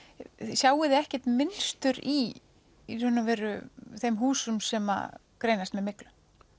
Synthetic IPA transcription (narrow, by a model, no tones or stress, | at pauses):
sjaːwɪðɪɛhcɛt̪mɪnst̪ʏɾi | hʏnavɛːɾʏθejmɦuːsʏmsɛma̰kɾejnast̪mɛðmɪklʏm